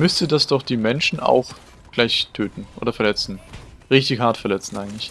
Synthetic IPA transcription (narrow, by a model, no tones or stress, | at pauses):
mʏstədasd̥ɔχd̥iːmɛnʃn̩a̰ʊx | ɡ̥laɪçtʰøːtn̩ʔo̰ːdɐfɛɐlɛt͡sn̩ | ʁɪçtɪçhaɐtfɛɐlɛt͡sn̩ʔaɪŋ̩tlɪç